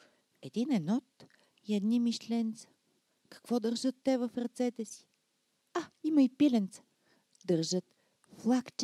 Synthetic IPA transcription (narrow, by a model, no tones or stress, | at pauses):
ɛd̪inɛnɔt̪ | iɛd̪nimiʃlɛnt̪sə̥ | kɐ̥kvɔd̪əɾʒət̪ːɛvɐfɾɐt̪sɛt̪ɛsi̥ | aimɐipilɛnt̪sə̥ | d̪əɾʒət̪ | flˠakt͡ʃ